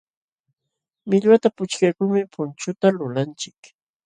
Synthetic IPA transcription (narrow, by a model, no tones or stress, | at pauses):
mɪʎwat̪apʊt͡ʃkajkʊŋmɪpʰʊnt͡ʃʊt̪alʊlant͡ʃɪk